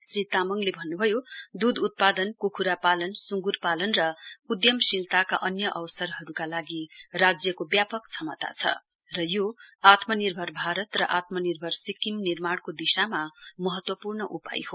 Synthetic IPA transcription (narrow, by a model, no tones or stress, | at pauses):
srit̪amʌŋlebʱʌnːubʱʌjod̪ud̪ut̪̚pad̪ʌnkukʰuɾapalʌnsuŋɡurpalʌnrʌud̪jʌmsilt̪akaʔʌnjʌʔʌwsʌrɦʌɾukalaɡirad͡zjʌkobjapʌkt͡sʰʌmʌt̪a̰t͡sʰʌ̰ | rʌjoat̪mʌnirbʱʌrbʱaɾʌt̪rʌʔat̪mʌnirbʱʌrsikimnirmaɽkod̪isamamʌɦʌt̪wʌpurnʌʔupa̰jɦo